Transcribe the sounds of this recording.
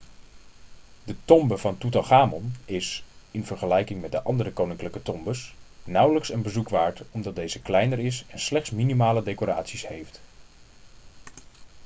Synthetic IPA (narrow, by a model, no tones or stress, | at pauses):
dətɔmbəv̥ɑntutɑχaːmɔnɪsɪnv̥əɹχəlɛjkɪŋmɛt̚dəʔɑndəɾəkownɪŋkləkətɔmbəsnʌwləksənbəzukʋaːɹtɔmdɑt̚dejzəklɛjnərɪsɛnslɛχtsminimaːlədekoɾa̰ːtsishejft